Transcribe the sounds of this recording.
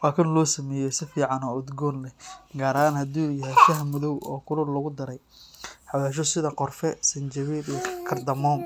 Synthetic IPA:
wɑːkʰɐnlɔːsɐmɛːjɔsɪfiːʕɑnɔːʊd̪ɡɔːnlɛɡaːɾɐaːnhɐd̪uːjɐɦɛjʃɐɦmːʊðɔwɔːkʰʊɾʊrlɐɣʊd̪ɐɾɛj | ħɑwɛːʃ̬ɔsɪðɐqɔrfɛsɐnt͡ʃɐβiːɾkʰɐrd̪ɐmɔːm

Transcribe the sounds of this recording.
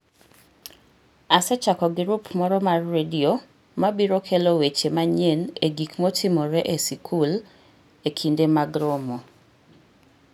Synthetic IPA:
asɛt͡ʃakɔɡɪɾupmɔɾɔmarːedio | mabiɾokʰelowet͡ʃemaɲeneɡikmɔtɪmɔɾɛʔesikʰul | ekʰindemaɡɾomo

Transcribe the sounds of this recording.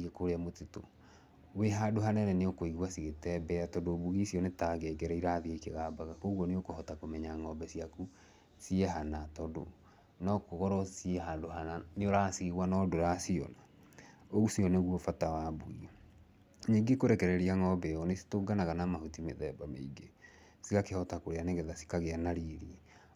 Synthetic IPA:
ɣekoɾeamoteto̰ | weɦadoɦanɛɾɛneokoiɣwasiɣetɛbɛatɔdobuɣisiɔnetaɡɛɡɛɾɛiɾaðiaikeɣaːbaɣakoɣwɔneokohɔtakomɛɲaŋɔbɛsiaku | siɛɦanatɔdo̰ | nɔkoɣɔɾɔsiɛɦadoɦananeoɾaːsiɣwanɔdoɾasiɔ̰na | oɣusiɔneɣwɔfatawabuɣi | ɲiŋɡekoɾɛkɛɾɛɾiaŋɔbɛɣɔnesi̥toɡanaɣanamahutimeðɛbameiɡe | siɣakehɔtakoɾeaneɣɛðasi̥kaɣeanaɾiɾi

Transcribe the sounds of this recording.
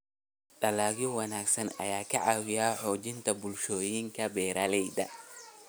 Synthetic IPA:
ɖɐlaːɣɪwɑnaːɡsɐnɐ̰jaːkʰɐʕɑwɪjaːħɔːd͡ʒɪnt̪ʰɐbʊlʃɔːjɪŋkʰɐbɛːɾɐlɛjd̪ɐ̰

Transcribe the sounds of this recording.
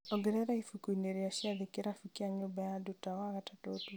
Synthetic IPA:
ɔɡɛɾɛɾaifukuineɾeaʃiaðikeɾafukiaɲobajadutawaɣatatotu

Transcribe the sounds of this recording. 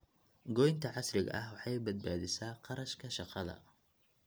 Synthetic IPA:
ɡɔjnt̪ʰɐʕɑsrɪɣɐ̰ʔɐhwɑħɑjbɐd̪̚baːðɪsaːqɑɾɐʃkʰɐʃɑqɑðɐ̰

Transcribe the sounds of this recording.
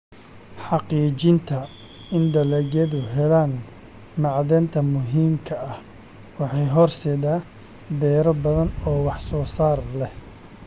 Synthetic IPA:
ħɑqiːt͡ʃɪnt̪ʰɐ | ɪnd̪ɐlɛɣɛðʊɦɛlaːn | mɑʕðɛːnt̪ʰɐmʊɦiːmkʰɐɐh | wɑħɑjɦɔrsɛːðaː | bɛːɾɔbɐðɐnɔːwɑħsɔːsaːrlɛh

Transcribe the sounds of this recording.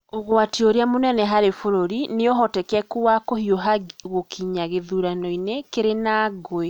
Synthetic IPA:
oɣoatioɾeamonɛnɛɦaɾefoɾoɾineoɦɔtɛkɛkuwakohioɦaɣokʰiɲaɣeðuɾanɔinekeɾenaːɡoe

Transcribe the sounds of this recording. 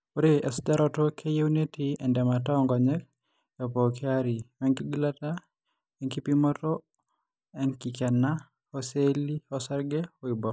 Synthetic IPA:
oɾeɛsdaɾɔtokʰejeunetiɛndɛmataɔŋɡɔɲɛk̚ | ɛpɔkiaɾimɛŋkiɡilata | ɛŋkipimɔtɔ | ɛŋkikɛna | ɔseliɔsɛɾɡɛɔibɔ

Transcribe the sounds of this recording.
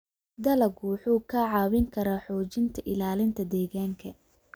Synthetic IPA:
d̪ɐlɐɡwħuːkʰɐʕɑːwɪŋkʰɐɾaːħɔːt͡ʃɪnt̪ʰɐʔɪlaːlɪnt̪ʰɐd̪ɛːɣaːŋkʰɐ

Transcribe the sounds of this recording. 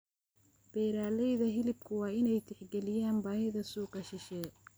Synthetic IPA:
b̥ɛːɾaːlɛjðɐɦɪlɪb̚kʰʊwɑːɪnɛjt̪ʰɪħɡɛlɪjaːnbaːhɪðɐsuːqɑʃɪʃɛː

